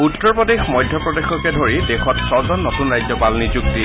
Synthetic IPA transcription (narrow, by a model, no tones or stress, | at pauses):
utːɔɹpɔdexmɔjdʱjɔpɹɔdexɔkɛdʱoɹidɛxɔtsɔzɔnːotunɹajzɔpalnizuk̚di